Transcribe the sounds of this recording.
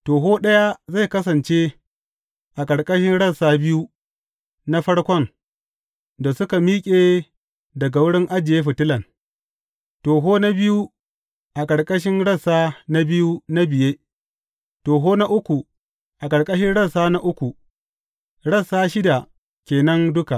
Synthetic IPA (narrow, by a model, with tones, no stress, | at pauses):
toː˨ɦoː˦ɗɐ˦ja˦za˦˨jkɐ˦s̬ɐ˨nt͡ʃe˦ | ʔa˨kʼɐ˨ɽkʼɐ˦ʃɪ˦nɽɐ˦saː˦bɪ˦ju˦ | na˦ɸɐ˦ɽkʷɔ˦n | da˨sʊ˦ka˨miː˦kʲʼeː˨ | dɐ˨ɡa˨wʊ˦ɽɪ˦ŋʔa˦d͡ʒɪ˨jeː˦ɸɪ˨tɪ˦lɐ˨n | toː˨ɦoː˦na˦bɪ˦ju˦ | ʔa˨kʼɐ˨ɽkʼɐ˦ʃ̬ɪ˦nɽɐ˦˨saː˦na˦bɪ˦ju˦na˦bɪ˨jeː˦ | toː˨ɦoː˦na˦ʔʊ˦kʷu˨ | ʔa˨kʼɐ˨ɽkʼɐ˦ʃɪ˦nɽɐ˦˨saː˦na˦ʔʊ˦kʷu˨ | ɽɐ˦˨saː˦ʃɪ˦da˨ | kʲeː˨nɐ˦ndʊ˦ka˨ʔ